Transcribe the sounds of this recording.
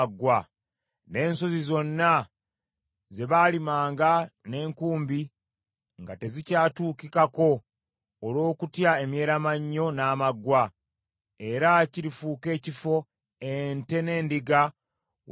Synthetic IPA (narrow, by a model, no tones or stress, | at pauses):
ɡːwa | ne̞ːnso̞zizo̞nːa | ze̞βaːlimaːŋɡane̞ːŋkuːmbi | ŋɡate̞zicaːtuːkikako̞ː | lo̞ːkutjae̞mje̞ːɾamaɲːo̞naːmaɡwa | e̞ɾaciɾifuːke̞ːcifo̞ | ente̞ne̞ːndiɡa